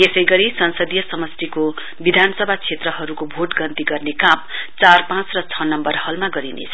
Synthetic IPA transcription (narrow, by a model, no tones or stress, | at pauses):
esʌjɡʌɾisʌnsʌd̪ijʌsʌmʌst̪iko | bid̪ʱanʌsʌbʱat͡sʰet̪rʌɦʌɾukobʱoʈɡʌnt̪iɡʌrnekamt͡sarpãt͡srʌt͡sʰʌnʌmbʌrhʌlmaɡʌɾinḛt͡sʰʌ